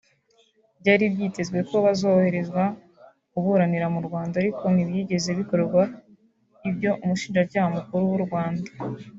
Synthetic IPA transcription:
bɟaːɾibɟiːte̞zɡwe̞ko̞βazo̞ːhe̞ɾe̞zɡwa | kuβuɾaniɾamuɾɡwaːndaɾiko̞nibjiːɟe̞ze̞βiko̞ɾeɾɡwa | ibjo̞ʔumuʃiːnʒacaːhamukuɾuwuɾɡwaːndḁ

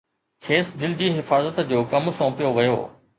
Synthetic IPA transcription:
kʰeːsd̪ɪlɪd͡ʑiːɦɪfaːzət̪d͡ʑoːkɐmsõːpijoʋɐjo̰ː

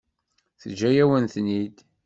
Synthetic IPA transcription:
θəd͡ʒːæjæwənθnid̪

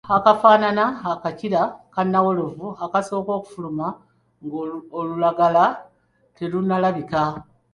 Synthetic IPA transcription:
akafaːnanaakaciɾakanːawo̞lo̞vuakaso̞ːko̞ːku̥fuluma | ŋɡolulaɡala | telunalaβika

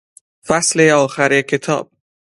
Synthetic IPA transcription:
fæsleɒːxæɾekʰe̞t̪ʰɒ̰ːb̥̚

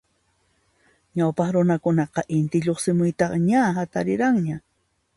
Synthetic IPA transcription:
ɲawpɑχɾʊnakʊnɑqɑʔɪnt̪ɪʎoχsɪmʊjt̪ɑχɲaɦat̪aɾɪɾaŋɲa

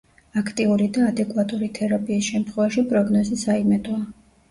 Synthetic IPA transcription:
akʰt̪ʼiuɾid̪aːd̪ɛkʼwat̪ʼuɾit̪ʰɛɾapʼiːsʃɛmt̪ʰχwɛvaʃipʼɾɔɡnɔzisaimɛt̪ʼɔa

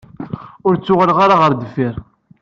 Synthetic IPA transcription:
ʊɾt͡sːʊʁəlʁaɾaʁəɾd̪əfːiɾ

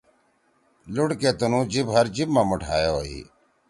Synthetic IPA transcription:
lʊɽkeːt̪ʊnũːd͡ʑibɦəɾd͡ʑibmãːmʊʈʰaːjoːḭː

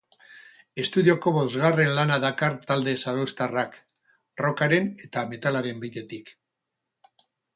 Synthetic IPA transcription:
e̞st̪uðio̞ko̞βo̞zɣare̞nlanaðakaɾt̪ald̪e̞saɾost̪arak | ro̞kaɾe̞ne̞t̪ame̞t̪alaɾe̞mbiðe̞t̪ik

